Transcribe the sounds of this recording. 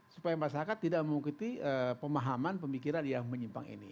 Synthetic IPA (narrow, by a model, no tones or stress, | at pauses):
su̥pajamasaɾakat̪ːidaʔməmukut̪iəpəmaɦamanpəmikiɾanjaŋməɲimpa̰ŋḭnḭ